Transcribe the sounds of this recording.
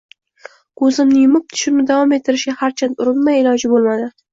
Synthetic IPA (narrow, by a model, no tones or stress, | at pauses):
kʰɵzɪmnɪjʊmʊp̚t̪ʰʊ̥ʃɪnɪd̪avɒmet̪ʰːɪɾɪʃɡʲahaɾt͡ʃʰant̪ʊɾɪnmajɪlˠɒd͡ʒɪbolˠmad̪ɪ